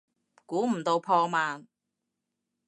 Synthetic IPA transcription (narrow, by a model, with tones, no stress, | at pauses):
kuː˨˥m̩˨˩t̪o˧wpʰɔː˧maː˨n